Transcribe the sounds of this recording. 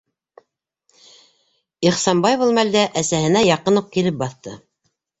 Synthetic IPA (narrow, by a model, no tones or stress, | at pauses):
iχsɑmbɑjβɤlˠmæld̪æʔæsæhɘ̆næjɑqɤnuq̚kilɘp̚bɑθt̪ɤ